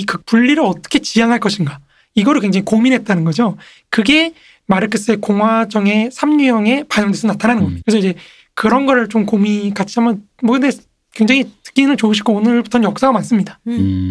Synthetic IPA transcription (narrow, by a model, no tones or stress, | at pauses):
ikɯpuɭːiɾɯɾʌt͈ʌ̥kʰe̞t͡ɕijaŋɦaɭk͈ʌɕʰinɡa | iɡʌɾɯɭkwe̞ŋd͡ʑaŋikominɦe̞t̚t͈anɯnɡʌd͡ʑo | kɯɡe̞ | maɾɯk͈ʰɯs͈ɯe̞koŋɦwad͡ʑʌŋe̞sʰamɲujʌŋe̞paɲʌŋdwesʰonatʰananɯnɡʌakesʰʌid͡ʑe̞ | kɯɾʌnɡʌɾɯɭt͡ɕomkomikat͡ɕʰiamjʌn | mʌkɯnde̞ | kwe̞ŋd͡ʑaŋitɯ̥k͈inɯɭt͡ɕouɕ̬ʰi̥k͈oːnɯɭbutʰʌnjʌk̚s͈aɡamans͈ɯmɲidḁ